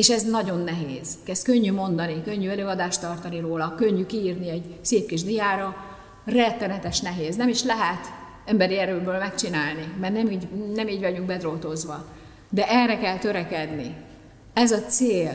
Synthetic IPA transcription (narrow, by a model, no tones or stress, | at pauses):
eːʃɛznɒɟo̞nːɛɦeːz̥kɛst̪̚kø̞ɲːymo̞nd̪ɒnikø̞ɲːyɛløːɒd̪aːʃt̪ɒrt̪ɒniɾoːlɒkøɲːykiiːrniɛɟseːp̚kiʒd̪ijaːɾɒ | rɛt̪ːɛnɛt̪ɛʃnɛɦeːznɛmiʃlɛɦɛt̪ | ɛmbɛɾiɛɾøːlbøːlmɛkt͡ʃinaːlnimɛrnɛmiːɟnɛmiːɟvɒɟyŋɡ̚bɛd̪ro̞lt̪o̞zʋɒ | d̪ɛʔɛrːɛkɛlt̪ø̞ɾɛkɛd̪ni | ɛzɒt̪seːl